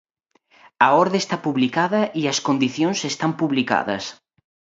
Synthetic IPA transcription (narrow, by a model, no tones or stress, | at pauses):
ɐɔɾðest̪apuβlikaðɐʔiɐskond̪iθjõnsest̪ampuβlika̰ðɐ̰s